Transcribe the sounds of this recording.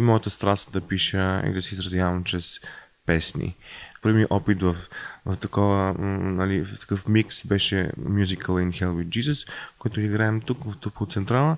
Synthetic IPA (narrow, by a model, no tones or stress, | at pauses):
mɔjət̪əst̪ɾast̪d̪ɐpiʃəḭd̪ɐsɛizɾɐzʲjavɐmt͡ʃɾɛs | pɛsnḭpəɾvmiʔɔpit̪vəfvɐft̪ɐkɔvənɐlit̪ɐ̥kɤfmiksbɛʃɛ̰mjuzikəlˠinxɛlˠvid͡ʒizəskojɛt̪ʊiɡɾaɛmt̪ukvɐft̪upot̪sɛnt̪ɾalˠə